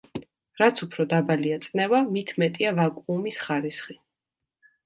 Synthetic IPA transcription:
ɾat̪sʰupʰɾɔd̪abaliat̪sʼnɛvamit̪ʰmɛt̪ʼiavakʼumisχaɾisχi

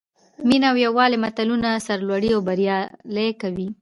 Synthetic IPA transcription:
minaawjawɑlemat̪alunasaɾlwaɽiawbaɾjɑlekawi

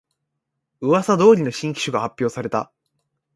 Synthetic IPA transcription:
ɯ̟βasad̪o̞ːɾʲino̞ɕĩŋkʲi̥ɕoɡahapʲːjo̞ːsaɾe̞t̪a̰

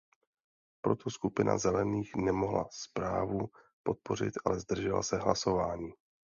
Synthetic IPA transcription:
pɾo̞t̪ʰoskupɪnʔa̰zɛlɛniːxnɛmo̞ɦla̰spɾaːvu | po̞t̪̚po̞r̝ɪ̰t̪ʔalɛzd̪r̩ʒɛla̰sɛɦlaso̞vaːɲiː

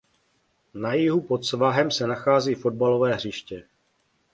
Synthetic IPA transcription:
najɪɦupo̞t̪svaɦɛmsɛnaxaːziːfo̞d̚balo̞vɛːɦr̝iʃcɛ

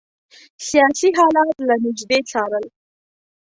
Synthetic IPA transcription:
sijɑsiɦɑlat̪lanɪd͡ʒd̪et͡sɑɾəl

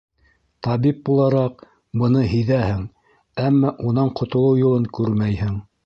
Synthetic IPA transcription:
t̪ɑβip̚bulˠɑɾɑq̚ | bɤ̆nɤɦɘ̆jðæhɘŋ | æmːɑʔunɑɴqʰŏt̪ŏlˠɤwjŭlˠɤŋkʉɾmæjhɘŋ

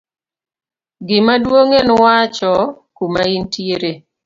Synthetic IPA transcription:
ɡɪmadwoŋenwat͡ʃɔkumaintjeɾe

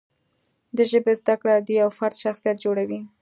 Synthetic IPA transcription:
d̪əʒəbezd̪akɽad̪iawfaɾt̪ʃaxsijat̪̚d͡ʒoɽawi

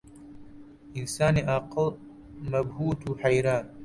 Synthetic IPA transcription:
ɪnsaːneʔaql | mɐbhuːt̪uħajɾaːn

